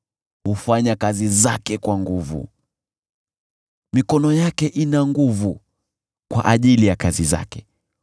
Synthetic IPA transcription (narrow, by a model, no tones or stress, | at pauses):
hufaɲakazizakɛkwaŋɡuvṵ | mikɔnɔjakɛʔinaŋɡuvu | kwa̰ʔaʄilijakaziza̰kɛ